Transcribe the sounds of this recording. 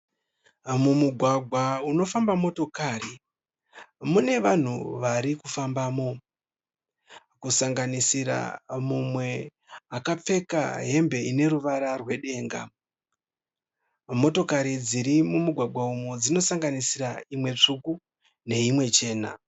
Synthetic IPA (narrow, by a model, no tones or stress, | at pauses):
mumuɡʱwaɡʱwauno̞fambamo̞to̞kaːri | mune̞ʋan̤uʋaɾikufambaːmo̞ | kusaŋɡanisiɾa̰mumwe̞ | akap͡fe̞ka̰ɦe̞mbe̞ine̞ɾuʋaɾarwe̞ɗe̞ːŋɡa̰ | mo̞to̞kaɾid͡ziɾimumuɡʱwaɡʱwaumud͡zino̞saŋɡanisiraimwe̞t͡ʂuku | ne̞imwe̞t͡ʃe̞ːna̰